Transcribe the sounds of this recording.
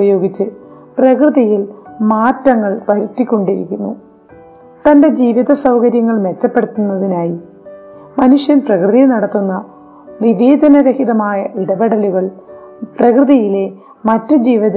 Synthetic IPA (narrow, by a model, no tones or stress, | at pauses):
ɐjo̞ːɡit͡ɕːɨ | prɐkrɨðɐjilmaːtːɐŋːɐɭpɐɾut̪ːikʲːo̞ɳɖiɾḭkʲːunːṵ | t̪ɐnde̞d͡ʑiːʋiðɐsɐwkɐɾjɐŋːɐɭme̞t͡ɕːɐpːe̞ɽut̪ːunːɐðinaːji | mɐnuʂjɐnprɐkrɨðɐjnɐɽɐt̪ːunːɐ | niʋeːd͡ʑɐnɐɾɐhiðɐmaːjɐʔiɽɐbeɽɐluɣɐɭ | prɐkrɨðɐjile̞ | mɐtːud͡ʑiːʋɐðɐ